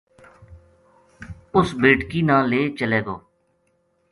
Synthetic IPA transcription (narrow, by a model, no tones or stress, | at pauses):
ʊsbeːʈkiːnãːleːt͡ʃəleːɡo̰ː